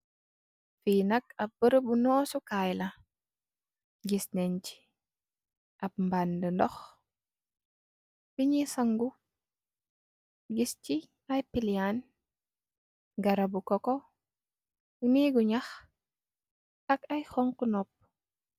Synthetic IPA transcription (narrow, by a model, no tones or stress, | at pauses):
finɐkɐp̚bəɾəbunɔːsukajlɐ | ɡisnent͡ʃi̥ | ʔɐb̚mbandəndɔx | fiɲisɐŋɡu | ɡist͡ʃi | ajpilian | ɡɐɾɐbukɔkɔ | uniːɡuɲax | ɐkɐjxɔŋkunɔp̚